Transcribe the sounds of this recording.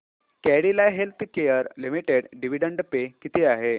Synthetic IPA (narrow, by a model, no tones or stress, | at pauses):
kɛɽilaɦelt̪ʰkejəɾlimiʈeɽɖiʋiɖəɳɖpekit̪iaɦe